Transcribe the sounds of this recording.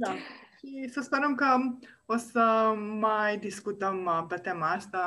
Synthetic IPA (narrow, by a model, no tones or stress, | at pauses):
d̪aʃisəspeɾəmkəo̞səmajd̪iskut̪əmpet̪emaast̪a